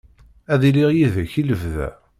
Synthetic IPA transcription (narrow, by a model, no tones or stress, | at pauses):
æðiliʁjiðæçiləvðæ̰